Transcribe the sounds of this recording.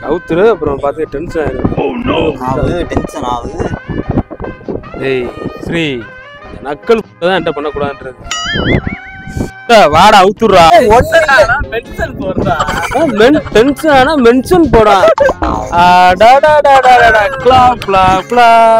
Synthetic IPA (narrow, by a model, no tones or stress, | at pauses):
ɐ̰ʋɯt̪ːɯɾɯɐpːɯɾɐ̃ɐpaːɾt̪ɯŋɐʈɛnsɐnaːɪɾɯ | ʈɛnsɐnaːɯ | eːsɐɾi | nɐkːɐɭuʈːɐt̪ãːɛɳɖɐpɐnːɐkuːɽaːðnɾɯ | ʈːɐʋaːɽaɐʋɯt̪ːɯɾɾãːɔʈːɐnaːnaːmɛnʂɐnpoːɾɾãːnaːmɛnʈɛnsɐnaːnaːmɛnsɐnp̬oːɽãː | aɖaːɽaɽaɖaːɽaːɽakɭaːplapɭa